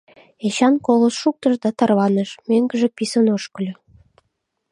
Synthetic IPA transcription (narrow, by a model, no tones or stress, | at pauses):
eɕɑnkolˠosʃuk̚t̪ɤ̆ʒd̪ɑt̪ɑrβɑnə̆ʃmeŋɡə̆ʒĕpisənoʃkə̆lʲø̆